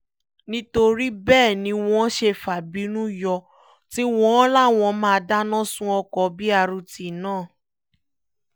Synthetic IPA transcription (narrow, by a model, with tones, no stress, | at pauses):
nĩ˦to˧ɾi˦bɛː˦˨nĩ˧˦w̃ɔ̃˦ʃe˧fa˨bi˨˦nũ˦jɔ˧ | ti˦w̃ɔ̃˦la˦˨w̃ɔ̃˧mãː˦˧da˦nɔ̃˦˨sũ˦ɔ˧kɔ˨bi˦a˧ɾu˧ti˨nãː˦˨